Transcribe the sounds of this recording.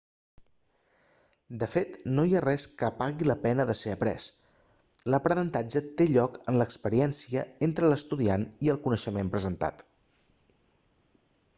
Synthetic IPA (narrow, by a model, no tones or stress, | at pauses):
d̪əfet̪noiarɛskəpaɣiləpɛnəðəseəpɾɛ̰s | ləpɾənənt̪ad͡ʒət̪eʎɔkənləkspəɾiɛnsiəent̪ɾələst̪uðianiəlˠkunəʃəmempɾəzənt̪a̰t̪